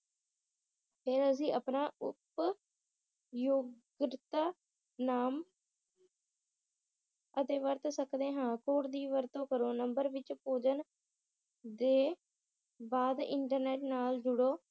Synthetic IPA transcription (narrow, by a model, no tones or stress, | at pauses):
pʰɪɾəs̬ĩːʔəpnaːʊp | joːɡɾɪt̪aː | naːm | ət̪eːʋəɾt̪səkd̪eːɦãːkoːɾd̪iːʋəɾt̪õːkəɾoːnəmbəɾʋɪt͡ʃpoːd͡ʒən | d̪eː | baːd̪ɪ̰ɳʈəɾneːʈnaːld͡ʒʊɽoː